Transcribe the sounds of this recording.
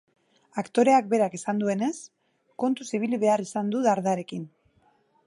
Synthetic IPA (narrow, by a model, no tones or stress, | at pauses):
akt̪o̞ɾe̞ak̚be̞ɾakisand̪ue̞ne̞s | ko̞nt̪usiβ̞iliβe̞arisand̪uðaɾðaɾe̞kin